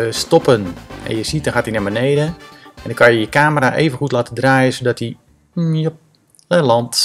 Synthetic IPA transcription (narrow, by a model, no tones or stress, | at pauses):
stɔpənɛ̰njəsitdɔnxaːtinabənejdəʔɛndɔŋkajəjəkaːməɾaʔeːvənxutlaːtədraːjəsodɔti | jə | ɛlɑnt